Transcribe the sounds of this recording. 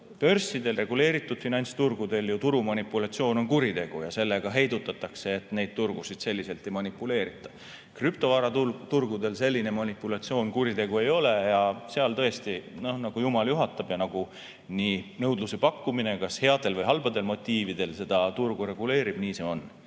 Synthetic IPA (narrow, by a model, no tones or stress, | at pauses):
pø̞rsːid̪e̞lre̞ɡ̥ule̞ːɾit̪ːˑud̪̥finɑnʲt̪st̪urɡ̥ud̪e̞ljut̪uɾumɑnipːˑulɑt̪sio̞ːno̞nkuɾit̪e̞ɡ̥ujɑse̞lːe̞ɡ̥ɑɦe̞jd̪ut̪ːˑɑt̪ːˑɑkse̞ːt̪ne̞jd̪̚t̪urɡ̥usid̪̥se̞lʲːise̞lt̪e̞jmɑnipːˑule̞ːɾit̪ːˑɑ̥ | kryp̚t̪o̞vɑɾɑut̪urɡ̥ud̪e̞lse̞lʲːine̞mɑnipːulɑt̪sio̞ːnkuɾit̪e̞ɡ̥ue̞jo̞le̞jɑse̞ɑlt̪ɤ̞e̞st̪ino̞hnɑɡ̥ujumɑljuɦɑt̪ːˑɑb̥jɑnɑɡ̥u | niːnɤwd̪luse̞pɑkːuminekɑshe̞ɑd̪̥e̞lvɤjɦɑlb̥ɑd̪̥e̞lmo̞t̪ˑːiːvid̪̥e̞lse̞d̪̥ɑt̪urɡ̥uɾe̞ɡ̥ule̞ːɾib̥niːse̞o̞n